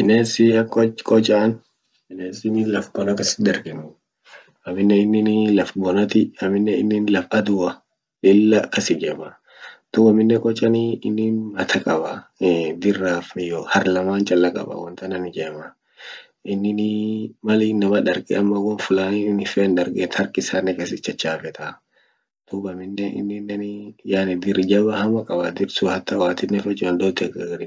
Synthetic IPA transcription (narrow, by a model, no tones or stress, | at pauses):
ɪneːsɪɐkʼːɔt͡ʃkʼɔt͡ʃʼːan | ɪneːsɪnɪlɐfbɔnɐkɐsɪ̥d̪ɐɾɡɪnʊ | ɐmɪnːɛɪnːɪnlɐfbɔnɐt̪ɪɐmɪnːɛɪ̰nːɪnlɐfɐd̪ʊwɐ | ᶑɪlːɐkɐsɪd͡ʒɛːmɐ | d̪̥ʊwɐmːɪnːɛkʼɔt͡ʃʼːɐnɪɪnːɪmɐt̪ʰɐkʼɐbɐd̪ɪrːaːfmɪjohɐɾlɐmaːnt͡ʃʼɐlːɐkʼɐ̰bɐ̰wɐnt̪ɐnɐnɪd͡ʒeːmɐ | ɪnːɪnɪmɐlɪnɐmɐᶑɐɾkʼɛ̰ɐmːɐwɔnfʊlaːnɪnɪfɛːnᶑɐɾkʼɛt̪hɐɾkʼɪsaːnːɛkesɪt͡ʃːɐt͡ʃːaːfɛt̪ʰɐ | d̪̥ubɐmɪnːɛʔɪ̰nːɪnːɛnɪjaːnɪd̪ɪɾd͡ʒɐbɐhɐmɐkʼɐbad̪ɪɾsʊhɐt̪ːɐwaːt̪ɪnɛfɛt͡ʃʼːɐnd̪oːt̪ːɛɡɐɡɐdɪ